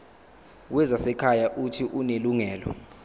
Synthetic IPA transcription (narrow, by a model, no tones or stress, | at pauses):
wɛzasɛkʰajaʔutʰiʔuneluŋɛːlɔ̰